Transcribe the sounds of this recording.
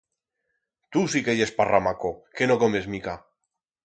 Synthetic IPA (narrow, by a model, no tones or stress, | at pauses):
t̪usikeʝesparamakokenokome̞zmika